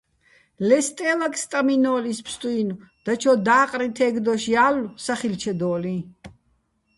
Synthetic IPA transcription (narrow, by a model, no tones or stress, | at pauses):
lɛst̪ʼɛlakʰʼst̪ʼaminɔːlispʰst̪ʼuinud̪̥at͡ʃʰɔd̪aːqʼɾit̪ʰɛɡd̪ɔʃialsaχilt͡ʃʰɛd̪ɔːli